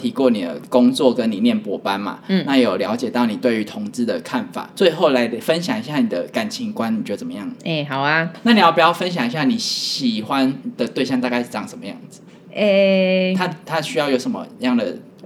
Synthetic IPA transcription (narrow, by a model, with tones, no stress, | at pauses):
t̪ʰi˧˥kwɔ˥˩ni˨˩d̪ə̰˦˩kʊ˦ŋt͡swɔ˥˨kə˦ni˨˩njɛ˥˩npwɔ˨˦pa˦nma̰˨˥˨na˥˩je˨˧˥jo˨˩ljɑ˧˥ʊt͡ɕjɛ˨˩t̪ɑ˥˩ʊni˨˩t̪we˥˩ɪy˧˥t̪ʰo˧˥ŋt͡sɹ̩˥d̪ə˨kʰa˥˩nfa̰˨˩t͡swe˥˧ɪxo˥˩ʊla˧˥ɪd̪fə˦nɕjɑ˨˩ŋi˧˦ɕja˥˩ni˨˩d̪ə˦ka˨˩nt͡ɕʰi˧˥ŋkwa˦ni˨t͡ɕo˥˧d̪ə˨t͡sə˨˩mə˦jɑ˥˩ŋe˥˩ɦɑ˨˩ʊa˧na˥˩ni˨jpu˨˩jɑ˥˩ʊfə˦nɕ̬jɑ˨˩ŋi˧˦ɕja˥˩ni˨˩˦ɕi˨˩xwa˦nd̪̥ə˨t̪we˥˧ɪɕjɑ˥˧ŋt̪a˥˧ka˥˧ɪʂɻ̩˥˩ɑ˥˩ŋʂə˨˩˦mə˦jɑ̰˥˩ŋd͡zɹ̩˨˩ | e˥˩t̪ʰa˥t̪ʰa˦ɕy˥jɑ˥˩ʊjo˧˥ʊʂə˨˦mə̰˧˦jɑ˥˩ŋd̪ə̰˩